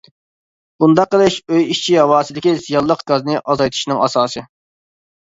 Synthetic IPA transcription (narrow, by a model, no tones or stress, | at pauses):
bund̪ɑqːəlˠɨʃøjiʃt͡ʃʰiɦɑwɑːsɪd̪ɪkʲizijɑlˠːəqɡ̥ɑznɨʔɑzɑjt̪ʰu̥ʃnɨŋɑsɑːsɨ